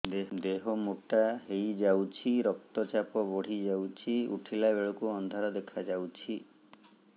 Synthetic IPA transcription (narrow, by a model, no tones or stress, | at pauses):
d̪eɦɔmuʈaɦejd͡ʒawt͡ʃʰiɾɔk̚t̪ɔt͡ʃapɔbɔɽ̤id͡ʒawt͡ʃʰiṵʈʰilabeɭɔkuɔnd̪ʱaɾɔd̪ekʰad͡ʒawt͡ʃʰi